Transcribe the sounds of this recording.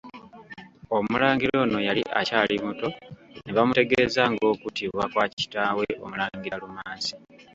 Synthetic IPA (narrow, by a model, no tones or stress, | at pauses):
o̞mulaːŋɡiɾo̞ːno̞jaliʔa̰caːlimuto̞neβamute̞ɡeːzaŋɡo̞ːkutiβwakwaːci̥taːwe̞ʔo̞mulaːŋɡiɾalumaːsi̥